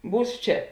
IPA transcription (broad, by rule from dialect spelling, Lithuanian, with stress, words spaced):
ˈbuːs ˈt͡ʃʲɛ